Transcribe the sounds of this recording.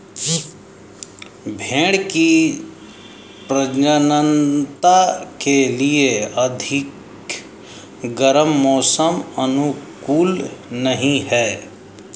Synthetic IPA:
bʱẽːɽki | pɾəd͡ʒənənt̪akelieɐd̪ʱɪk | ɡəɾəmːɔːsəmənukuːlnəɦĩɦɛː

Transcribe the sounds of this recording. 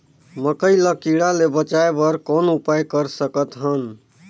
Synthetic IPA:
məkəjləkiɽalebət͡ʃaebəɾkonupajkəɾsəkət̪ɦən

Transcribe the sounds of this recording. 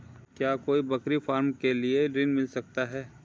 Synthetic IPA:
kjaːkoːibɐkɾifaːɾmkelieɖɾɪ̃nmɪlsɐk̚t̪aɦɛː

